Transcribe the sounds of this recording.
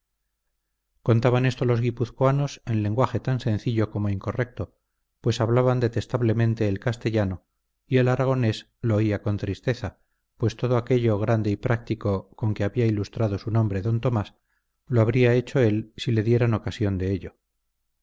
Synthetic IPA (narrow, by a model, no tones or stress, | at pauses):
ko̞nt̪aβane̞st̪o̞lo̞zɣipuθkoano̞se̞nle̞ŋɡwaxe̞t̪anse̞n̟θiʎo̞ko̞moiŋko̞rek̚t̪o̞ | pwe̞saβlaβand̪e̞t̪e̞st̪aβle̞mẽnt̪e̞ːlkast̪e̞ʎano̞ | ie̞laɾaɣ̞o̞ne̞s | loːiako̞nt̪ɾist̪e̞θa | pwe̞st̪o̞ð̞oake̞ʎo̞ɣɾand̪e̞ipɾʔak̚t̪iko̞ko̞ŋkeaβiailust̪ɾaðo̞sunõ̞mbɾe̞ðo̞nt̪o̞mas | loaβɾiae̞t͡ʃo̞e̞lsile̞ðje̞ɾano̞kasjo̞nd̪e̞eʎo̞